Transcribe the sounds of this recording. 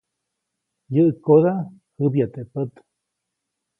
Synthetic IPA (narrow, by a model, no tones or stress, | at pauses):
jəʔɨkoða | hɨbjat̪epət̪